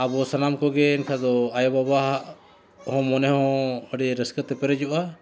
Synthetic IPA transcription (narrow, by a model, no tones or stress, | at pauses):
abɔsanamkɔɡɛɛnkʰad̪ɔajɔbabaɦaʔ | hɔ̃mɔnɛhɔ̃həɖiɾəskət̪ɛpɛɾɛd͡ʒɔʔa